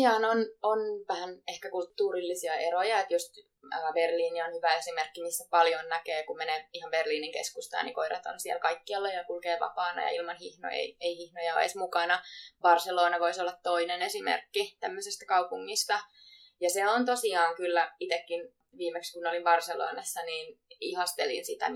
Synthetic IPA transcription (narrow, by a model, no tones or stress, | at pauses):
iɑːnononʋæhænehkækult̪ːuːrilːisiɑʔeɾojɑet̪just̪ | əːberliːnionhyʋæesimerkːimisːæpɑljonnækeːkummeneːihɑmberliːniŋkḛskust̪ɑ̰ːnḭŋkoiɾɑ̰t̪o̰nsielkɑikːiɑlːejɑkulkeːʋɑ̰pɑːnɑ̰jɑ̰ilmɑnhihno̰ḛieihihnojɑo̰ḛsmukɑnɑb̥ɑrseloːnɑʋoisolːɑt̪toinenesimḛrkːit̪æmːøsist̪æ̥kɑupuŋːist̪ɑ | jɑseont̪osiɑːŋkylːæit̪ekːin | ʋiːmekskunolimbɑrselo̰ːnɑsːɑniːnihɑst̪elḭnsit̪æ̰